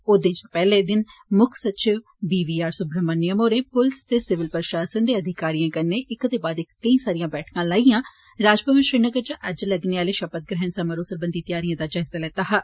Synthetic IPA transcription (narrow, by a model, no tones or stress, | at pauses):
oːd̪ɪnt͡ʃpɛːleːd̪ɪnmʊkʰsət͡ʃɪʋ | biːʋiːaːɾsʊbɾəmənɪjəmoːɾẽːpʊlst̪eːsɪʋɪlpəɾʃaːsənd̪eːəd̪ʱɪkaːɾijãːkəɾneːʔɪkt̪eːbaːd̪ɪkt̪ːĩːsaːɾɪjãːbɛːʈʰkãːlaːiːjãː | ɾaːd͡ʒpəmɪʃɾiːnəɡəɾt͡ʃʔəd͡ʒləɡneːaːleːʃəpət̪̚ɡɾɛɦənsəməɾoːsəɾbənd̪iːt̪ɪjaːɾijãːd̪aːd͡ʒaːɪzaːlɛːt̪aːɦaː